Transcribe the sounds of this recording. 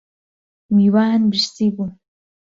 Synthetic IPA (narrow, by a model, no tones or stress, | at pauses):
wiːwaːhnbɨʃsiːbu